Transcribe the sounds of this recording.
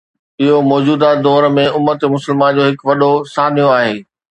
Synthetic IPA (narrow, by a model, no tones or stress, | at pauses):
ɪɦomɔːd͡ʑuːd̪ad̪ɔːɾmẽʊmːət̪mʊsəlmaːnd͡ʑoːɦɪkʋɐɗosaːnijõaːɦeː